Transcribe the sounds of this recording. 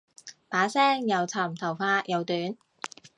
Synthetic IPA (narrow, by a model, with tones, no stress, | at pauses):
paː˨˥sɛː˥ŋjɐ˨˧wt͡sʰɐ˨˩mt̪ʰɐ˨˩wfaː˧jɐ˨˧wt̪yː˨˥n